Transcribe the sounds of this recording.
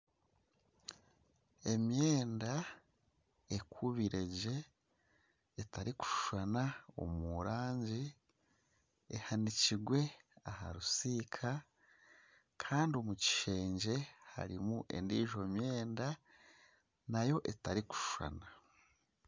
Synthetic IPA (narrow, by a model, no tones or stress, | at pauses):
e̞mjeːnda | ekʰuβiɾe̞ɟe̞ | taɾiku̥ʃu̥ʃanao̰muɾaːɲɟi | ehaniciɡwe̞aha̰ɾusiːkʰa | kʰaːndio̞muci̥ʃe̞ːɲɟe̞ha̰ɾimuʔe̞̰ndiːʒo̞mje̞ːnda | najo̞ʔetaɾiku̥ʃuʃwa̰na